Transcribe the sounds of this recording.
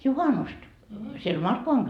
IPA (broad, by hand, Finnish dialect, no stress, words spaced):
juhɑnust siel mɑrkːoʋɑŋ